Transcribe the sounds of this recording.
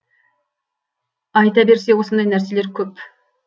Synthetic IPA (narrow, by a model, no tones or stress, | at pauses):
ɑjt̪̬ɑbe̞ɾse̞wosənd̪ɑjnæɾse̞leɾkʲʰɵp